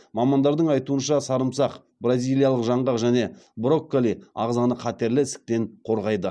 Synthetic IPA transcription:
mɑmɑnd̪ɑɾd̪əɴɑjt̪uənʃɑsɑɾəmsɑq | brazʲijlˠijɑlˠəqʒɑɴʁɑqʒæne̞bɾo̞kːolʲiɑ̰ʁzɑnəqʰɑt̪e̞ɾlɪɪsɪ̥k̚t̪e̞ɴqʰo̞ɾʁɑjd̪ə

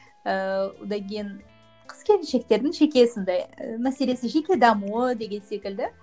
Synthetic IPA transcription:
əwo̰d̪ɑŋkʲʰejɪn | qʰə̥skʲe̞ɾɪnʃe̞k̚t̪e̞ɾd̪ɪŋʒe̞kʲe̞sond̪ɑjəmæse̞le̞sɪʒe̞kʲe̞d̪ɑmuəd̪e̞ɡʲe̞nse̞kʲɪld̪ɪ

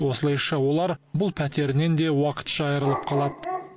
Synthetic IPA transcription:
wo̞səlˠɑjʃɑwo̞lˠɑɾbʊlˠpʰæt̪e̞ɾne̞nd̪e̞wɑqə̥t̪ʒ̥ɑjəɾəlˠəp̚qʰɑlˠɑd̪ə

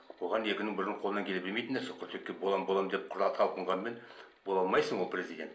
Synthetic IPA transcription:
woʁɑnekʲɪnɪŋbɪɾʲɪɴqʰo̞lˠənɑŋkʲʰeɘpbɪlmejt̪ɪnd̪æsoqʰəɾt̪ʰekʲːebolˠɑmbolˠɑmd̪ep̚qʰʊɾɑt̪ʰɑlˠqəɴʁɑnmenbolˠɑlˠmɑjsəɴwolˠprʲezʲidʲe̞nt̪

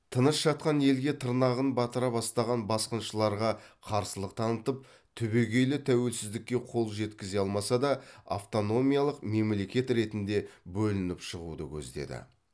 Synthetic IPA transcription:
t̪ʰənəsʒ̥ɑt̪̚qɑnje̞lɡʲe̞t̪ʰəɾnɑʁənbɑt̪əɾɑpɑst̪ɑʁɑnbɑsqənʃəlˠɑɾʁɑqʰɑɾsəlˠəq̚t̪ʰɑnət̪əp̚ | t̪ʰʏbe̞ɡʲe̞jlɪt̪ʰæwe̞lsɪzd̪ɪkʲːe̞qʰo̞lˠʒe̞t̪kʲɪze̞ɑlˠmɑsɑd̪ɑa̰ft̪o̞no̞mʲijalˠəqme̞mle̞kʲe̞t̪ɾe̞t̪ɪnd̪e̞bɵlɪnɪpʃəʁud̪əkʲʰɵ̰zd̪e̞̰d̪ɪ̰

